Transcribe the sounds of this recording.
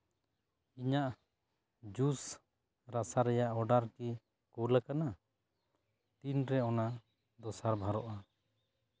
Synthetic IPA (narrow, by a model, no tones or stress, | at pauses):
iɲaʔ | d͡ʒus | ɾasaɾɛjaʔɔɖaɾki | kulakana | t̪inɾɛɔna | d̪ɔsaɾbʱaɾɔʔa